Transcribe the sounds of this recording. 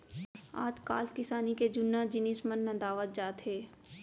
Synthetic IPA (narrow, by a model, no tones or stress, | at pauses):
a̰ːd͡ʒkaːlkɪsaːniked͡ʒʊnːad͡ʒɪniːsmənːɐ̃d̪aːʋət̪̚d͡ʒaːt̪ɦeː